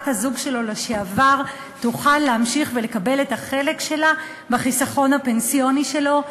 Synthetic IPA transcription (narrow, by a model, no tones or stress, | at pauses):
thazuɡʃe̞lo̞leʃeavaʁ | tuχalːeamʃiχvele̞kabe̞lethaχe̞le̞kʃe̞la | beχisaχo̞nhape̞nsijo̞niʃe̞lo̞